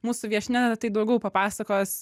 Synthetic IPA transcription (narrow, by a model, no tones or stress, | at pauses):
muːsʊʋʲiɛʃʲnʲæt̪ɐɪd̪ɐʊɡʲɛʊpɐpɑːsɐkoːs